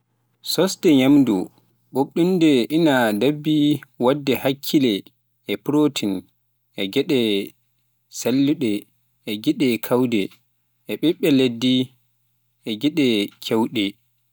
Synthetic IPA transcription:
sɔstɛɲamdṵ | ɓoɗːundɛʔinadabːiwadːɛhakʰːilɛ | ɛpɾotʰin | ʔɛɡɛɗɛ | salːuɗɛː | ɡiɗɛkʰawdɛ | ʔɛɓɛɓːɛledːi | ʔɛɡɛɗɛkʰɛwɗɛ

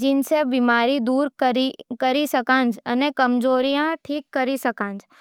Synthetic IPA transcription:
d͡ʒɪnsebiːmaːɾid̪uːɾɾikəɾisɐkãːnd͡ʒənekɐmd͡ʒoːɾijãʈʰiːkːɐɾisɐkãːnd͡ʒ

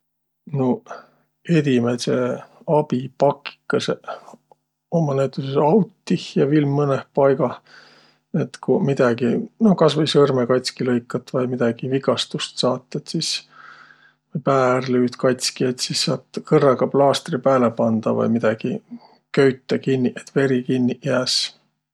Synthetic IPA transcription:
no | e̞d̪imese | ɑb̥ipɑkːi̥kːˑɑse | omɑnæyt̪ːˑusesɑwt̪ːihjɑvilmːɤnehpɑjɡ̥ɑ | et̪kumid̪̥ɑɡ̥inohkɑsvɤjsɤrmekɑjt̪ʲskilɤjkːˑɑt̪ːvɑjmid̪̥ɑɡ̥iviɡ̥ɑst̪ust̪sɑːt̪ˑːet̪sis | vɤjpæːrlyːt̪kɑjt̪ʲskiet̪sisːɑːt̪ˑkɤrːɑɡɑblɑːst̪ripæːlepɑnd̪̥ɑvɑ̰jmid̪̥ɑɡ̥i | køɥt̪ːˑɑkinʲːiʔet̪ːve̞ɾikinʲːijæːs

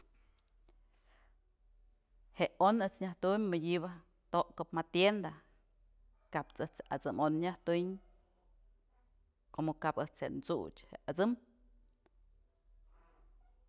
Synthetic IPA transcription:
heʔonɨt͡sɲʲaht̪ummadʲibɨ | t̪oʔkɨpmat̪jend̪a | kapt͡sɨht͡seʔat͡sɨmonɲaht̪ɨɲ | komokapɨt͡sheʔnt͡sut͡ʃhḛʔat͡sɨm

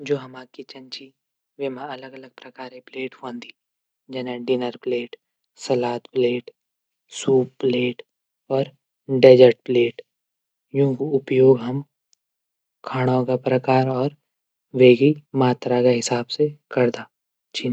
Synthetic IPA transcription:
d͡ʒoːɦɐmaːkit͡ʃɐ̃nt͡ʃi | ʋemãɐləɡɐləɡ̚pɾɐkaːɾẽpleːʈfõːnd̪iː | d͡ʒɛːnẽɖɪnəɾpleːʈ | sɐlaːt̪pleːʈ | suːp̚pleːʈ | ɔːɾ | ɖeːd͡ʒəɾʈ̚pleːʈ | jũːkiʊpjoːɡɦɐm | kʰaːɽ̃ãːkapɾɐkaːɾɔːɾ | ʋeːɡimaːt̪ɾakaɦɪsaːbsekɐɾd̪aː | t͡ʃi

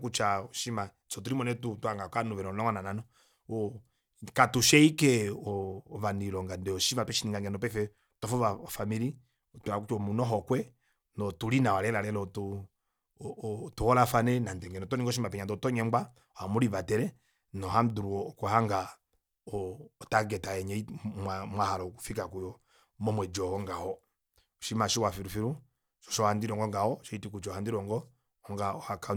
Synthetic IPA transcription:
kut͡ʃaɔʃima | sɔt̬uɾimɔnɛtutuhaŋɡakanuvɛɾɔlɔŋɡanananɔ | ɔ | katuʃɛikɛɔːvanilɔŋɡandɛɔʃimapɛʃiniŋɡaŋɡɛnɔpɛfɛ | tɔfɔaafamiɾi | ɔtuakut͡ʃɔmunɔɦɔkwɛ | nɔtulinawalɛlalɛlɔtu | tuhɔlafanɛnandɛŋɡɛnɔtɔniŋɡɔʃimapɛɲadɔtɔɲɛmɡ͡ba | ɔhamuɾiβatɛɾɛ | nɔɦam̩duɾuɔkɔhaŋɡa | ɔːtaɡɛtajɛɲɛimamwahalɔku̥fikakujɔ | mɔmwɛd͡ʒɔhɔŋɡahɔ | ɔʃimaʃiwafiɾufiɾu | ʃɔ̥ʃɔhandiɾɔŋɡɔŋɡahɔʃɔitik̬ut͡ʃɔhandiɾɔŋɡɔ | ɔŋɡaɔhaka

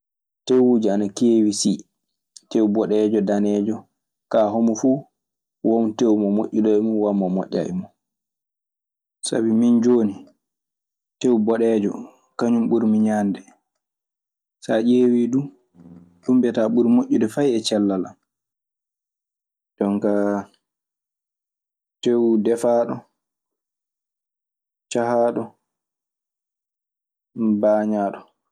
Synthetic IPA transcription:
tewuːd͡ʒianakeːwisi | tewbɔɗɛːd͡ʒɔdanɛːd͡ʒɔ | kaːɦomufu | wɔmtewmɔmoʔʲːuɗɔɛmunwamːɔmɔ̰ʔʲːa̰ʔɛ̰mɔ | sa̰bimind͡ʒoːni | tewbɔɗɛːd͡ʒɔ̰ | kaɲumɓuɾmiɲaːndɛ | saʔewiːdu | ɗumbɛtaːɓuɾmoʔːudɛfajɛt͡ʃɛlːala̰ | d̥ɔŋka | tewudɛfaːɗɔ | t͡ʃahaːɗɔ | baːɲaːɗɔ

